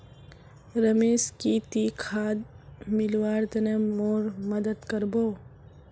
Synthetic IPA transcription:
ɾəmeːskit̪ikʰaːd̪mɪlwaːɾt̪ɐnemoːɾmɐd̪əd̪kəɾboː

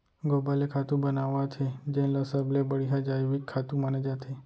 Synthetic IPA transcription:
ɡobalekʰat̪ũbənaʋãt͡ʃʰed͡ʒẽləsəblebəɽiɦad͡ʒajʋikʰːat̪ũmaned͡ʒat̪ʰe

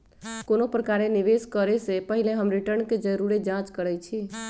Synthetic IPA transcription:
konopɾəkaɾeniʋeskəɾesepəɦileɦəmɾiʈəɾnked͡ʒəɾuɾed͡ʒãt͡ʃkəɾɛt͡ʃʰi

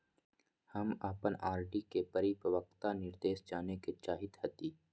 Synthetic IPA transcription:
həmaːpənaːɾɖikepəɾipɾəʋək̚t̪anɪɾd̪eːʃd͡ʒaːneket͡ʃaːɦɪt̪hət̪iː

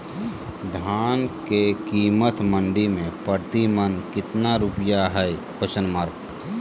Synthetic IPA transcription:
d̪ʱaːnkekiːmət̪məɳɖimẽpəɾt̪imənkɪt̪naɾʊpjaɦɛjkʰoʃənmaːɾk

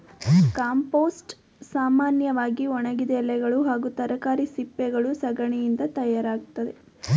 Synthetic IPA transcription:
kaːmpoːsʈ | saːmaːnjɐʋaːɡiɔɳɐɡid̪ɛlːɛɡɐɭuɦaːɡut̪ɐɾɐkaːɾisipːɛɡɐɭusɐɡɐɳjind̪ɐt̪ɐjaːɾaːɡut̪ːɐd̪e̞

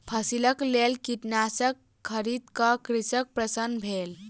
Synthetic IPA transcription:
pʰəsiləklelkiʈnasəkʰːəɾid̪kəkɾisək̚pɾəsənbʱel

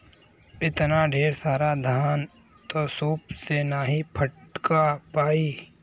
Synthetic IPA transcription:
ɪt̪naɖʱeːɾsaːɾad̪ʱaːn | t̪osuːpsenaɦipʰəʈkapaːiː

